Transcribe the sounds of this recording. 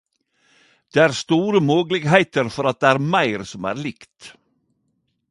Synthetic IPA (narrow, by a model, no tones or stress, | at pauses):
d̪̥eːæːɾst̪uːɾəmoːɡlɪɡhæɪt̪əɾfɔɾɑt̪̚d̪eːæːɾmæɪɾsɔmæ̰ːɾlɪkt̪